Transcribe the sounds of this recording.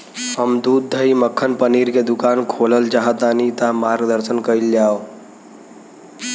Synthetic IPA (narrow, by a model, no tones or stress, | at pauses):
ɦəmd̪uːd̪ʱːəiməkʰːənpəniɾked̪ukaːnkʰoləld͡ʒaɦət̪anit̪amaɾɡd̪əɾsənkəild͡ʒaːo